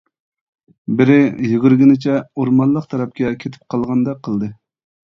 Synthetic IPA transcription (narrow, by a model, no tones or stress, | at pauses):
bɪɾɪjyɡʲyɾɡʲinɪt͡ʃʰɛoɾmɑnlˠəqt̪ʰɑɾɑp̚kʲɛkʲʰet̪ʰɪ̥p̚qʰɑlˠʁɑnd̪ɑqʰəlˠd̪ɨ